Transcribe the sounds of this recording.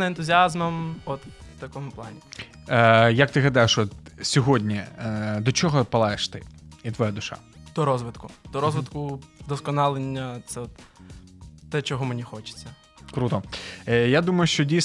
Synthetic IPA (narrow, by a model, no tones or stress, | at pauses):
nɐent̪ʊzʲiɑzmɐmɔt̪t̪ɐkɔmʊplˠɑnʲi | jɐk̚t̪ɪɦlʲɐd̪ajeʃɔt̪sʲɔɦɔdʲnʲid̪ɔt͡ʃɔɦɔpɐlˠajeʃt̪ɪ̰it̪ʋɔjad̪ʊʃɑ̰d̪̥ɔɾɔzʋɪt̪kʊd̪ɔɾɔzʋɪt̪kʊd̪ɔskɔnɑlˠenʲːɐt̪sɛɔt̪ | t̪ɛt͡ʃɔɦɔmenʲixɔt͡ʃɪ̥t͡sʲːɐ | kɾut̪ɔjad̪umɐjʊʃt͡ʃɔdʲijs